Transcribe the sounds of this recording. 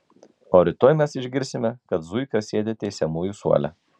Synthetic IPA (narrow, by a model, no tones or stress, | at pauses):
oːɾʲɪt̪oːjmʲɛsɪʒʲɡʲɪɾʲsʲɪmʲɛkɐt̪zʊɪkɐsʲeːd̪ʲeːt̪ʲɛɪsʲɛmuːjuˑsṵɔlʲɛ̰